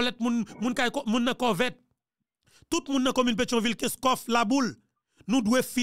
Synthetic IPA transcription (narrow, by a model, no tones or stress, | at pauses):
lɛt̪̚mũnmũnkajkɔmũnːɐ̃kɔvɛt̪̚ː | ut̪̚mũnːɐ̃komynp̬et͡ʃɔ̃vilkɛ̃skɔflabul | nũd̪wefi